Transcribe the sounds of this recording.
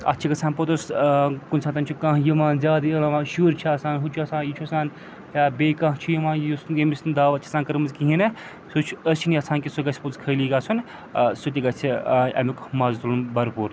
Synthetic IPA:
ɐ̰t͡ʃʰiɡɐsʰaːnpot̪uskunsʰaːnt̪̬ɐnʲt͡ʃʰukãɦjimaːnzʲaːd̪iɐlɐmaːʃuːɾt͡ʃʰiaːsaːnɦut͡ʃʰɐsãːnjit͡ʃʰusaːn | jaːbeːkãɦt͡ʃʰujimaːnjusjemisnd̪aːʋɐt͡ʃʰɐsaːnkɐɾmɐzkiɦinɐ | sut͡ʃʰəst͡ʃʰiniɐsãːnkisuɡɐt͡sʰposkʰɐliːɡaːsʰun | sut̪̬iɡɐt͡sʰiɐ̰mukmaːzt̪ulunbɐɾpuːɾ

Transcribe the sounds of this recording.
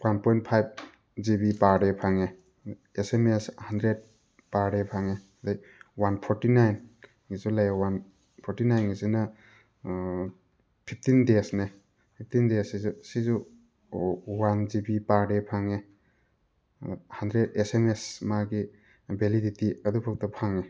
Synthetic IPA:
wanpɔjnt̚pʰajb̚ | zibipaɾepʰaŋe | esemeshandɾed̚ | paɾɾepʰaŋe | daj | wanpʰɔɾtinajn | ŋizulajawan | pʰɔɾtinajnɡizinɐ | pʰip̚ʰtindesne | pʰip̚tindesizusizu | wand͡ʒibipaɾepʰaŋe | handɾedesemesmaɡi | beliditiɐdupʰuk̚tɐpʰaŋe

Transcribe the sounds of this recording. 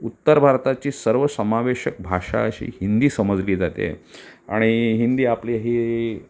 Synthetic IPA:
ut̪ːəɾbʱaɾt̪at͡ɕiːsəɾʋəsəmaʋeɕək̚bʱaʂa̰əɕḭːɦind̪iːsəməd͡zliːd͡zat̪ḛa̰ɽ̃iɦind̪iːapliɦiː

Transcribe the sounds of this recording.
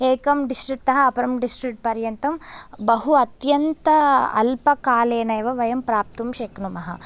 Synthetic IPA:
eːkɐmɖisʈɾik̚t̪ɐɦɐɐpɐɾɐmɖisʈɾik̚ʈ̚pɐɾjɐnt̪ɐmbɐɦuɐt̪jɐnt̪ɐɐ̰lpɐkaːleːnɐjʋɐʋɐjɐmpɾaːp̚t̪umʃeknumɐɦɐ̰

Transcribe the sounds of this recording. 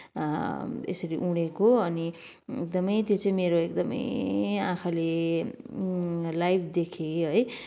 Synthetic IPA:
ḛsʌɾiʔuɽ̃ekoʌni | ek̚d̪ʌmʌjt̪jot͡sʌĩmeɾoek̚d̪ʌmʌ̰jã̰kʰale | lajbʰd̪ekʰeɦʌj

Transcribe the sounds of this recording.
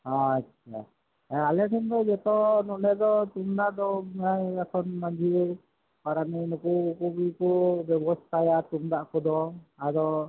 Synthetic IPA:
ɔ̃atːt͡ʃʰa̰ | alɛʈʰɛnd̪ɔd͡ʒɛt̪ɔnɔʔlɛd̪ɔt̪umd̪aʔd̪ɔmaakʰɔnmad͡ʒʱiɛ | paɾaninukukuɡijkɔbɛbɔst̪ʰajat̪umd̪aʔkɔd̪ɔad̪ɔ

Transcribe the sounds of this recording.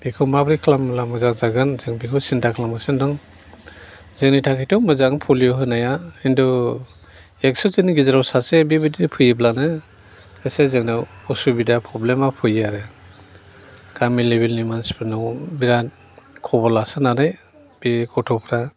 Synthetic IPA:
b̥ikʰɔwmabɾikʰlamlamɯzaŋzaɡɯnzɯŋbikʰɯwsintʰakʰlamasɯndɔŋ | zeŋnitʰakʰijtɔmɯzaŋpʰɔlijɔɦɯnajaindɔ | ek̚sɔzɯniɡizaɾawsasebibididpʰɯjiblanɯ | ɯsezɯŋnaɔsubidapʰɾɔblemapʰɯjaɾe | kamilebilnimanspʰɯnɔbiɾa | kʰɔbɔlasɯnanɯj | bikɔtʰɔpʰɾa

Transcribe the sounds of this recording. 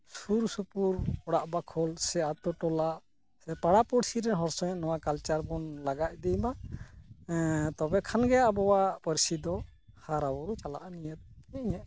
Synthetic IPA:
suɾsupuɾɔɽaʔbakʰɔlsɛat̪ɔʈɔlaʔ | sɛpaɽapɔɽsiɾɛɦɔɾsɔjɔnɔwakalt͡ʃaɾbɔnlaɡac̚ˀd̪ɛjma | t̪ɔbɛkʰanɡɛjaʔbɔwapəɾsid̪ɔhaɾawɔɾut͡ʃala̰ʔanijət̪̚ɛɲɛʔ

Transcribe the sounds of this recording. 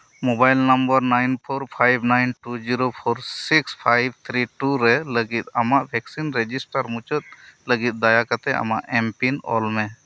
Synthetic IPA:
mobajlnambəɾnajnpʰɔɾpʰajbʱnajnʈud͡ʒiɾopʰɔɾsikspʰajb̚t̪ʰɾiʈuɾɛləɡit̪̚amaʔbʱɛksinɾɛd͡ʒisʈaɾmut͡ʃət̪̚ləɡit̪̚ˀd̪ajakat̪ɛa̰ma̰ʔɛmpinɔ̰lmɛ

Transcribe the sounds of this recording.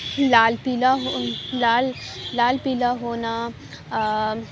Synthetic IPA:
laːlpiːlaɦolaːlːaːlpiːlaɦoːna

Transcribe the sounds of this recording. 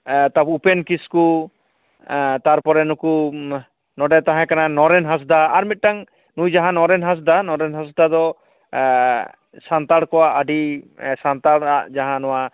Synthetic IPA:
t̪apupɛnkisku | t̪aɾpɔɾɛnuku | nɔɖɛt̪aɦãkananɔɾɛnɦas̬d̪aːɾmit̪̚ʈaŋ | nujd͡ʒaɦãnɔɾɛnɦas̬d̪anɔɾɛnɦasd̪ad̪ɔ | sant̪aɽkɔwaʔaɖisant̪aɽaʔd͡ʒaɦãnɔwa

